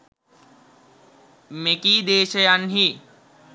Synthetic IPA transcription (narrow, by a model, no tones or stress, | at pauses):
mekiːd̪eːʃəjanɦi